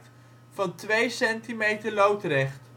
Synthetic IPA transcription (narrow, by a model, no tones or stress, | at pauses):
t | fɑntʋejsɛntimejtəɹlowtrɛχt